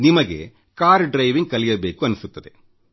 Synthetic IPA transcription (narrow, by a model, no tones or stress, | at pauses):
nimɐɡe̞̰ | kaːɾɖɾɐjʋiŋɡ̚kɐlijɐbeːkuɐnːusut̪ːɐd̪e̞